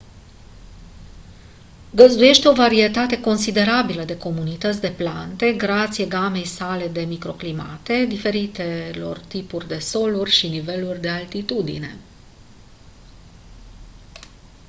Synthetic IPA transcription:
ɡəzd̪uje̞ʃt̪eo̞vaɾie̞t̪at̪e̞ko̞nsid̪e̞ɾabiləd̪e̞ko̞munit̪ət̪sʲd̪e̞plant̪e̞ɡɾat̪sijeɡame̞jsale̞d̪e̞mikɾo̞klima̰t̪e̞d̪ife̞ɾit̪e̞lo̞̰rt̪ipurʲd̪e̞so̞lurʲʃinive̞lurʲd̪e̞alt̪it̪ud̪ḭne̞̰

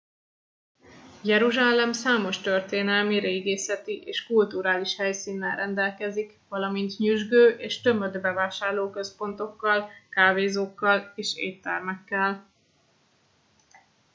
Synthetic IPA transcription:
jɛɾuʒaːlɛmsaːmo̞ʃt̪ø̞rt̪eːnɛlmiɾeːɡeːsɛt̪iʔeːʃkult̪uɾaːliʃhɛjsiːnːɛnrɛnd̪ɛlkɛzikʋɒlɒmint̪ɲyʒɡøːʔeːʃt̪ø̞mød̪bɛvaːʃaːrloːkø̞spo̞nt̪o̞kːɒlkaːveːzoːkːɒleːʃḛːt̪ːɛrmɛkːɛl

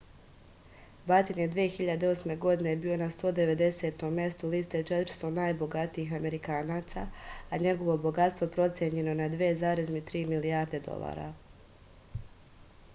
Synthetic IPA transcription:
bat̪enjed̪ʋijexiʎad̪e̞o̞sme̞ɡo̞d̪inebiːo̞nast̪o̞ːd̪e̞ʋe̞d̪e̞se̞t̪o̞mːje̞st̪uliːst̪e̞t͡ʃet̪ɾ̩st̪o̞naːjbo̞ɡat̪iixame̞ɾikaːnaːt̪saaɲe̞ɡo̞ʋo̞bo̞ɡat̪st̪vopɾo̞t̪sjeɲe̞no̞nad̪ʋezaːɾezmit̪ɾiːmilijaːɾd̪e̞d̪o̞̰lˠa̰ːɾa̰

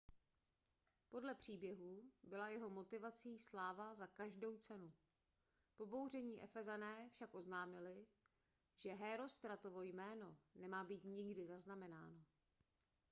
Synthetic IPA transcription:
po̞dlɛpr̝̥iːbjɛɦubɪlajɛɦo̞mo̞t̪ɪvat͡siːslaːvazakaʒdo̞wt͡sɛnu | po̞bo̞wr̝ɛɲiːʔɛ̰fɛzanɛːfʃakʔo̞znaːmɪlɪ | ʒ̥ɛɦɛːɾo̞st̪ɾat̪o̞vo̞jmɛːno̞nɛmaːbiːt̪ɲɪɡdɪzaznamɛna̰ːno̞

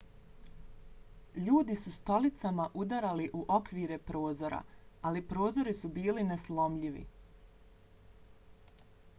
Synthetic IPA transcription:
ʎuːd̪isust̪o̞lit̪samaʔud̪aɾaliʔuʔo̞kʋiːɾe̞pɾo̞ːzo̞ɾa̰alipɾo̞ːzo̞ɾisubiːlineslo̞mʎiʋḭ

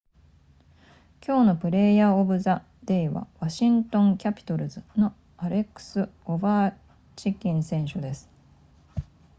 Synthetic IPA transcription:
kʲo̞ːno̞pɯ̟ɾe̞ːjaobɯ̟za | d̪̥e̞iβa̰βaɕĩnt̪õ̞ŋkʲapʲi̥t̪o̞ɾɯ̟zɨno̞ | aɾe̞kɯ̟̥sɨobaː | t͡ɕikʲĩɰ̃sẽ̞ɰ̃ɕod̪e̞sɨ̥

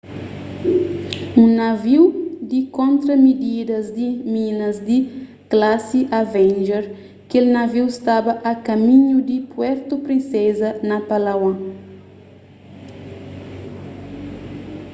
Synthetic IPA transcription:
ũnɐviwd̪ikõnt̪ɾɐmid̪id̪ɐzd̪iminɐzd̪i | klasiʔavɛ̃nʒɛɾ | kelnaviwst̪abɐʔɐkɐmĩɲud̪ipwɛɾt̪upɾĩsezɐnɐpalawã

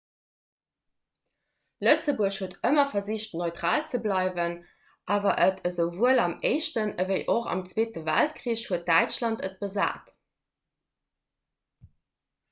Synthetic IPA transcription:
lət͡səbuəɕhuətəmɐfɐziɕtnoɪtʁaːlt͡səblɑɪvən | ʔaːvɐʔətʰəzəvuəlɑmeɪʃtənəvəɪʔoχɑ̰mt͡sweːtəvæ̰ltkʁiːəɕhuət̚d̥æɪt͡ʃlɑntə̰t̚b̥əza̰ːt

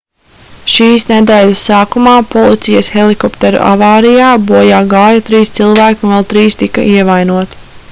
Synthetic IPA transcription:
ʃiːsned̪ɛːlʲɐsːaːkumaːpɔlˠit̪sijɐsxelˠikɔpt̪eɾṵʔa̰vaːɾijaːbuɔjaːɡaːjat̪ɾiːst̪silˠvæːkuvɛlˠt̪ɾiːst̪ikɐ̰ʔiɛvajnuɔt̪

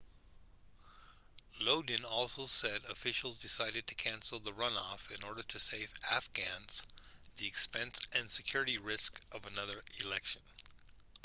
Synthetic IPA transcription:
loʊdⁿn̩ɔlˠsoʊsɛɾɨfɪʃl̩ˠzdɨsaɪɾɨd̚tʰɨ̥kʰæ̃nsl̩ˠðəɹʌ̃nɔfɨ̃nɔɹɾə˞ɾɨseɪvæfɡ̥æ̃nz̥ðiɨkspɛ̃nsɨ̃nsɨkʰj̥ʊɹɨɾiɹɪskʔʌvənʌðə˞ɪlɛkʃɨ̃n

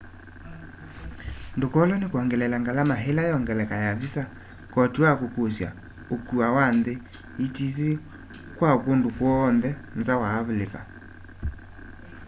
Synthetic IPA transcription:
ndokɔlɔnekwaŋɡɛlɛlaŋɡalamaɦelajɔŋɡɛlɛkajavisa | kɔtuakokosja̰ | okuawanðe | itis̬i | kwakondokwɔːnðɛnzawaːβleka

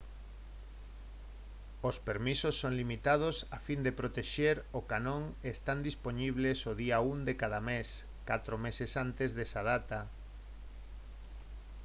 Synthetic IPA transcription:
ospeɾmisosːoŋlimit̪að̞osafind̪epɾot̪eʃeɾokanõŋest̪and̪ispoɲiβ̞lesoðiaund̪ekaðames | kat̪ɾomesesant̪ezðesaðat̪a

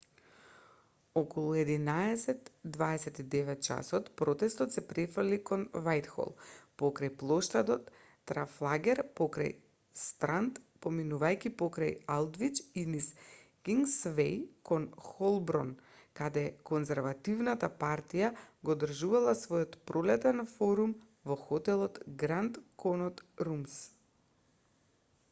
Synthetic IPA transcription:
ɔkɔlˠuɛd̪inaɛsɛt̪d̪vaɛsɛt̪id̪ɛvɛt̪̚t͡ʃa̰sɔt̪pɾɔt̪ɛst̪ɔt̪sɛpɾɛfr̩likɔnvajt̪xɔ̰lˠpɔkɾajplˠɔʃt̪ad̪ɔt̪ː | ɾaflˠaɡʲɛɾpɔkɾa̰j | st̪ɾant̪pɔminuvajkʲipɔkɾajalˠd̪vit͡ʃiniskiŋɡsvɛjkɔnxɔlˠbɾɔnkad̪ɛkɔnzɛɾvat̪ivnat̪apaɾt̪ijaɡɔd̪r̩ʒuvalˠasvɔjɔt̪pɾolɛt̪ɛnfɔɾum | vɔxɔt̪ɛlˠɔt̪ɡɾant̪kʰɔnɔt̪ɾums

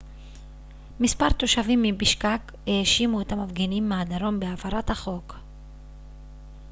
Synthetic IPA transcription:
mispaʁt̪o̞ʃavimːibiʃkak | eːʃimuet̪amavɡenimːeadaɾo̞mbeavaɾathaχo̞k

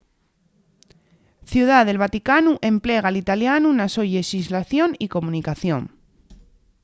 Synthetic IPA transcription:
θjuð̞aðe̞lβ̞at̪ikanuʔe̞mple̞ɣ̞aːlit̪aljanunasoʎeʃizlaθjo̞niko̞mũnikaθjõ̞̰ŋ

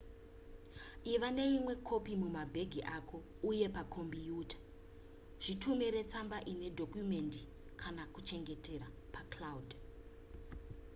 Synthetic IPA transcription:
iʋane̞imwe̞kʰo̞pimumabʱe̞ɡʱiʔakʰo̞ | uje̞pakʰo̞mbijuːtḁ | ʐ̥itumiɾe̞t͡sambaʔine̞dʱokjume̞ndi | kʰanakut͡ʃe̞ŋɡe̞te̞ɾa | paklaudʱ

